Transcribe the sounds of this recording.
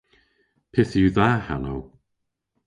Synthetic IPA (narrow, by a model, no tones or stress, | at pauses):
pʰɛθjuðaha̰now